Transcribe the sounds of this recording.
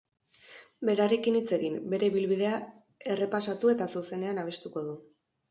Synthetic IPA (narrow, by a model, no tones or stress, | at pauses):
be̞ɾaɾe̞kinit͡se̞ɣimbe̞ɾe̞βilβiðe̞a | e̞re̞pasat̪ue̞t̪asuse̞ne̞anaβ̞e̞st̪uko̞ð̞u